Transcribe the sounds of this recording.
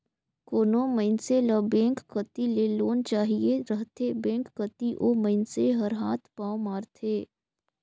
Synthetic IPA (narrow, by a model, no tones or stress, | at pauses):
koːnoməɪnselɐbẽːŋkkət̪ileːloːnt͡ʃaːɦieɾəɦt̪ʰebẽːŋkːət̪iʔoːməɪnseɦɐɾɦaːt̪ʰpaːomaːɾt̪ʰeː